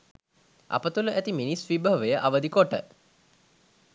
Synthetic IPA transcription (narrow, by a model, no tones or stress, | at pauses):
a̰pət̪uluʔæt̪iminisʋibəɦəʋəjəʔaʋəd̪ikoʈə̰